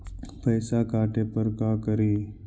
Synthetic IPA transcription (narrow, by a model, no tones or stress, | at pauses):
pəjsakaːʈʰepəɾkakəɾiː